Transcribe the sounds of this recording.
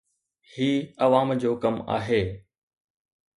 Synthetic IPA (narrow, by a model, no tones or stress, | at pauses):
hiːɐʋaːmd͡ʑoːkɐma̰ːɦeː